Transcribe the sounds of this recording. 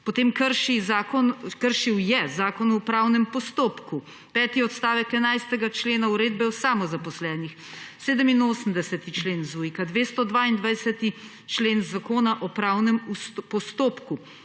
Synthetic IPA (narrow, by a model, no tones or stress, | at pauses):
pɔt̪eːmkəɾʃizaːkɔnkəɾʃiwjɛzaːkɔnɔpɾawnɛmpɔst̪oːpku | pɛːt̪iɔt̪st̪aːʋɛkɛnajst̪ɛɡat͡ʃleːnauɾeːd̪bɛwsaːmɔzapɔslɛːnix | seːd̪əminoːsəmd̪ɛsɛt̪it͡ʃleːnzujkad̪ʋeːst̪ɔd̪ʋaind̪ʋajsɛt̪i | t͡ʃleːnzakoːnaʔɔpɾaːwnɛmuspɔst̪oːpku